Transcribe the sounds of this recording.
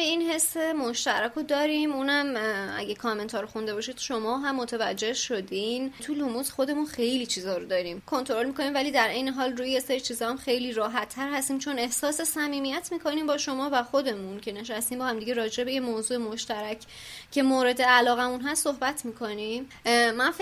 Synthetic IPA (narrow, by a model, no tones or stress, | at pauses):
einhe̞sːemo̞ʃt̪æɾækʰod̪ɒːɾimunæmʔæ̰ɟekʰɒːme̞nt̪ʰɒːɾoxund̪eɒːʃid̪ʃo̞mɒːɦæmːot̪ʰevæd͡ʒːe̞hʃo̞d̪int̪ʰulumuzxo̞d̪e̞munxe̞jliːt͡ʃʰiːzɒːɾod̪ɒːɾiːmkʰo̞nt̪ʰo̞ɾo̞lmiko̞niːmvæliːd̪æɾʔe̞jneɦɒːlruːjejeseɾit͡ʃʰiːzɒːæmxe̞jliːɾɒːɦæt̪ʰːæɾhæst̪iːmt͡ʃʰo̞ne̞hsɒːse̞sæmiːmijæt̪ʰmiːkʰo̞niːmbɒːʃo̞mɒːvæxo̞d̪e̞muncʰe̞ne̞ʃ̬æst̪iːmbɒhæmd̪iɟe̞ɾɒːd͡ʒe̞bejemoːzuːemoʃt̪æɾæcʰ | cʰe̞moːɾe̞d̪eælɒːɣæmunɦæst̪ːohbæt̪ʰmiːkʰo̞nim | mænf